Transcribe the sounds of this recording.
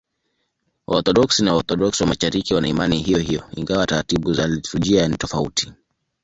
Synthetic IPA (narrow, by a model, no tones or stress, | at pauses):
wʔɔɾθɔɗɔksinawaɔɾθɔɗɔksiwamaʃaɾikiwanaimaniɦijɔɦijɔḭŋɡawataɾatiɓuzalituʄianitɔfautʰi̥